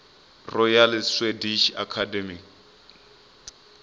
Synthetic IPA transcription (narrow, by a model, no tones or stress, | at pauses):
rɔjalswediʃa̰kʰademik